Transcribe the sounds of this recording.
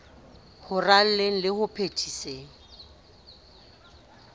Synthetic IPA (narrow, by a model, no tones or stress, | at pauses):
hʊral̩leŋ̩lɪhʊpʰetʰiseːŋ̩